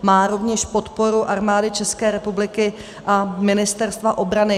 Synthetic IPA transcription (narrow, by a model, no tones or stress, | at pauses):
maːɾo̞vɲɛʃpo̞t̪po̞ɾuʔaɾmaːdɪt͡ʃɛskɛːɾɛpublɪkɪ | ʔamɪnɪst̪ɛɾst̪vaʔo̞bɾanɪ